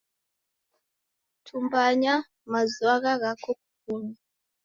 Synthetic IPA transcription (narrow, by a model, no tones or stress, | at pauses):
tʰumbaɲa | mazuaɣaɣakɔku̥kuɲa